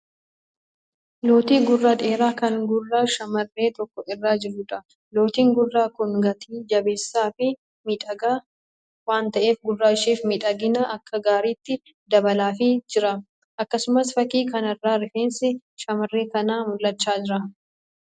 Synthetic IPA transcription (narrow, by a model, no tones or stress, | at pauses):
lo̞ːt̪iːɡʊrːɐᶑ̪ʼe̞ːɾaːkɐŋɡʊrːaʃɐmɐrːe̞ːt̪ɔkːɔʔɪrːaːd͡ʒɪɾʊᶑɐ | lo̞ːt̪iːŋɡʊrːaːkʊŋɡɐt̪ʰiːd͡ʒɐbe̞ːsːaːfɪ | mɪᶑɐɡa | waːnt̪ɐʔe̞ːfɡʊrːaːɪʃeːfmɪᶑʼɐɡɪnɐʔɐkːɐɡaːɾiːt̪ːɪ | d̪ɐbɐlaːfɪd͡ʒɪɾɐ | ʔɐkːɐsʊmɐsfɐkiːkɐnɛrːaːɾɪfeːnsɪ | ʃɐmɐrːe̞ːkɐnaːmʊlʔɐt͡ʃːaːd͡ʒɪɾɐ